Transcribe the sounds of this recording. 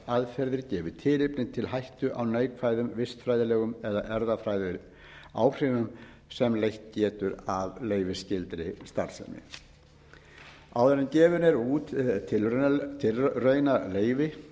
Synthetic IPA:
aðfɛɾðɪɾcɛːvʏ̥t̪ʰɪːlɪpnɪt̪ʰɪlɦajht̪ʏʔawneːjkʰvaːjðʏmvɪst̪fɾaːjðɪlɛːɣʏmɛðaʔɛɾðafɾaːjðɪɾ | a̰ːwfɾɪnʏm | sɛmlejht̪̚cɛːt̪ʏɾavleːjvɪscɪlt̪ɾɪst̪aɾsɛ̰nɪ̰ | a̰wðɛnɪmcɛːvʏɾnɛɾuːt̪t̪ʰːɪlt̪ʰːɪlrœːɥnaleːjvɪ

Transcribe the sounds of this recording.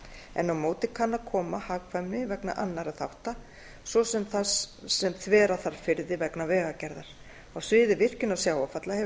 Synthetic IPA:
ɛ̰nːawmoːwt̪ɪkʰanːakʰɔːmahaːkfajmnɪvɛkna̰ʔanːaɾaðθawht̪a | svɔsɛmθasːɛmθvɛːɾaθaɾ̥fɪɾðɪvɛknavɛːɣacɛɾðaɾ̥ | awsvɪːðɪvɪr̥cɪnawsjaːwafat̪lahɛ

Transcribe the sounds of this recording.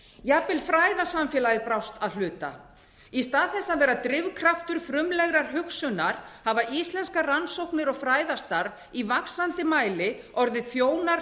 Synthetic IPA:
jaːpɪlfɾaːjðasamfjɛlajɪpɾawst̪aðlʏːt̪a̰ | ist̪aːðθɛsːaðvɛːɾat̪ɾɪvkʰɾaft̪ʏɾ̥fɾʏmlɛɣɾaɾ̥ɦʏksʏnːaɾ̥havaʔist̪lɛnskaransowhknɪɾɔɣfɾaːjðast̪aɾv | ivaksant̪ɪmaːjlɪ | ɔɾðɪθjoːwnaɾ

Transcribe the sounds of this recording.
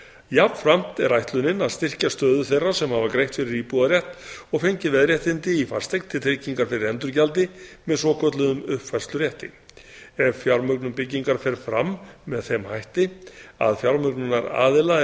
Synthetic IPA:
javfɾam̥t̪ɛɾajht̪lʏnɪnaðst̪ɪr̥cast̪œːðʏθejrːasɛmhavakɾejht̪fɪɾɪɾiːpuðaɾjɛht̪ɔɣfejɲcɪvɛðɾjɛht̪ɪnt̪ɪifar̥st̪ejknt̪ʰːɪlt̪ʰɾeːciŋkaɾ̥fɪɾɪɾɛnt̪ʏɾcalt̪ɪmɛðsɔːkʰœt̪lʏðʏmʏhpfar̥st̪lʏɾjɛht̪ɪ̰ | ɛvfjawɾmœknʏmpɪcːiŋkaɾ̥fɛɾ̥fɾamːɛðθemhajht̪ɪa̰ðfjaɾmœknʏnaɾa̰ːðɪla

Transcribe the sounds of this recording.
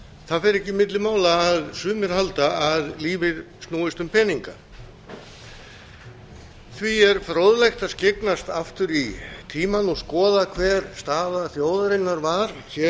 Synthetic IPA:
θaðfɛɾɛhcːɪimɪt̪lɪmaːwlaːðsʏːmɪɾ̥halt̪aaðliːvɪɾ̥ | stnuːɪst̪ʏmpʰɛniŋka̰ | θviɛɾ̥fɾoːwðlejxt̪aðscɪknast̪aft̪ʏɾit̪ʰiːmanɔɣskɔːðakʰvɛːɾ̥st̪aːðaθjoːwðaɾɪnːaɾvaɾ̥sɛ

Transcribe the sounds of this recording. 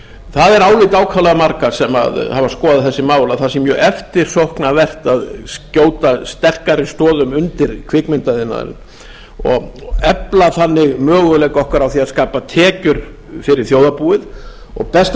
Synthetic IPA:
θaðɛɾaːwlɪt̪aːwkʰawlaɣamaɾkḁsɛma̰ðhavaskɔːðaθɛsːɪmaːwlaθasɛmːjœːʔɛft̪ɪɾ̥sohknavɛr̥t̪aðscoːwt̪ast̪ɛr̥kaɾɪst̪ɔːðʏmʏnt̪ɪɾ̥kʰvɪkmɪnt̪aðɪna̰ðɾɪ̰n | ɔ̰ɣɛplaθanːɪɣmœːɣʏleːjkɔhkaɾawθiaðskaːpat̪ʰɛːcʏɾ̥ | fɪɾɪɾ̥θjowðapuːɪðɔ̰ɣpɛst̪

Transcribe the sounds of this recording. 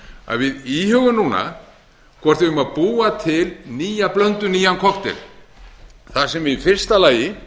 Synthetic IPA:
a̰ðvɪðihʏɣʏmnuːna̰ | kʰvɔr̥t̪vɪʏmaðpuːat̪ʰɪlniːjaplœnt̪ʏniːjankʰɔkt̪ɪ̰ɾ̥ | θasɛmvɪðifɪr̥st̪alaːjɪ

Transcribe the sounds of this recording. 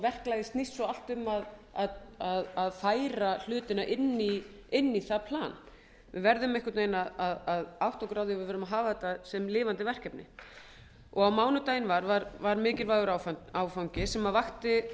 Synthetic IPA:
vɛr̥klajðɪst̪nist̪sɔal̥t̪ʏmaðaðaðaðfaːjɾal̥ʏːt̪ɪnaʔɪnːi | ɪnːiθapʰlaːn | vɪ̰ðvɛɾðʏmɛhkat̪nejnaðaðaðawht̪ɔkɾaːwðɪvɪðvɛːɾʏmaɦaːvaðɛt̪asɛmlɪːvant̪ɪvɛr̥cɛpnɪ̰ | ɔɣawmaːwnʏt̪aːjɪnvaɾvaɾvaɾmɪːcɪɾvaːɣʏɾawfaːwfawɲcɪsɛmavaxt̪ɪ

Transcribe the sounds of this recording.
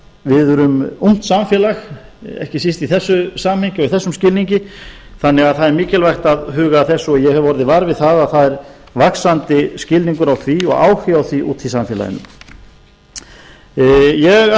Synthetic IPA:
vɪðʏɾʏmum̥t̪samfjɛːlaxɛ̰hcɪsist̪iθɛsːʏsaːmhɪɲcɪɔɣiθɛsːʏmscɪlniɲcɪθanːɛɣaðθaðɛɾmiːcɪlvajxt̪aðɦʏːɣaθɛsːʏɔjɛɣhɛvvɔɾɪðɪvaːɾvɪðθaðaðθaðɛɾ | vaksant̪ɪscɪlniŋkʏɾawθviɔ̰ɣa̰ːwhjawθiʔṵːt̪θisamfjɛla̰jɪ̰nːʏ̰m | jɛɣ

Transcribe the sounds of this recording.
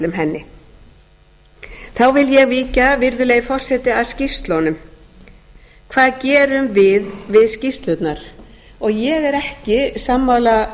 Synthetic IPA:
lʏmɦɛnːɪ | θawvɪljɛɣviːcavɪɾðʏleːjfɔr̥sɛt̪ɪaðscɪst̪lɔnʏm | kʰvaːðcɛːɾʏmvɪðvɪðscist̪lœt̪naɾ̥ | ɔɣjɛɣɛɾɛhcɪsamːawla

